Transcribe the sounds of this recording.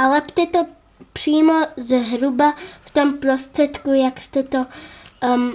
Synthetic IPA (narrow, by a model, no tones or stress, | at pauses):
ʔalɛpt̪ʲɛt̪o | pr̥iːmozɦɾubaft̪ɔmpɾost̪rɛt̪kujakst̪ɛt̪o